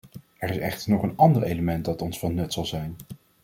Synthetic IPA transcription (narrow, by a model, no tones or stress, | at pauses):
ɛɹɪsɛ̰χtəɹnɔχənɑndəɹejləmɛnt̚dɑtɔnsfɑnːɵtsɑlˠzɛjn